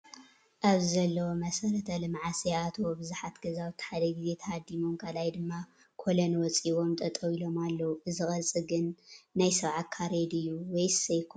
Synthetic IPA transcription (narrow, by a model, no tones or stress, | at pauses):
ʔaβɨzɐlːɐwomɐsɐɾɐt̪ʰɐlɨmʕasiat̪ʰwobɨzuħat̪ɡɐzawɨt̪ʰħad̪ɐɡize̞t̪ʰɐhad̪ːimomkʰɐlajd̪ɨmːa | kʰolɐnwɔt͡sʼiβo̞mt̪ʼɐt̪ʼɐwilo̞malːɐwuʔɨzɨxʼɐt͡sʼɨɡɨnːajsɐβʕat̪̚kʰaɾed̪ɨjuwejsɐjkʰ